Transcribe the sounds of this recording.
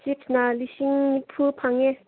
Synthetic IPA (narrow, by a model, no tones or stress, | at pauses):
t͡ɕipnaliɕiŋipʰupʰaŋɛ